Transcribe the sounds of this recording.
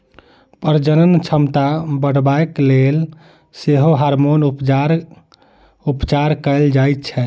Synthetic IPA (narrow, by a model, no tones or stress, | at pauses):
pəɾd͡ʒənənt͡ʃʰəmt̪abəɽ̤baeklel | seɦoɦaɾmonupaɾ | upt͡ʃaɾkəld͡ʒajt̪̚t͡ʃʰɛ